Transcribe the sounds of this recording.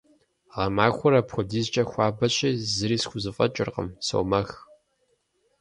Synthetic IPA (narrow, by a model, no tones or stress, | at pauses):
ʁɐmaːxʷʊɾɐpxʷʊdiːzt͡ʃʼɐxʷɑːbɐɕʼiːzɨɾiːsxʷʊzɨfʼɐ̰t͡ʃʼɪrqə̰mso̰wmɐx